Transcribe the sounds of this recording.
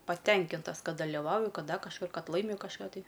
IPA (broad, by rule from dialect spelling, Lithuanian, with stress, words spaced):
pɐˈtʲɛŋʲkʲɪntɐs ˈkɐt dɐlʲɪˈʋɐʊjʊ ˈkɐt ˈdɐ kɐʃˈkʊr ˈkɐt ˈlˠɐɪmʲʊ kɐʃˈkɑː tɐɪ